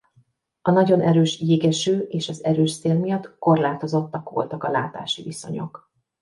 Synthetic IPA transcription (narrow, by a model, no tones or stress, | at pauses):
ɒnɒɟo̞nʔɛɾøːʃjeːɡɛʃøːʔeːʃɒzɛɾøːʃseːlmijɒt̪ko̞rlaːt̪o̞zo̞t̪ːɒkʋo̰lt̪ɒkɒla̰ːt̪a̰ːʃiviso̞̰ɲo̞̰k